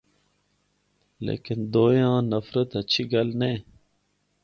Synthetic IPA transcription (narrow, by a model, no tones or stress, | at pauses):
lḛːkind̪oːjãːnɐfɾət̪ɐt͡ɕʰiɡɐlneː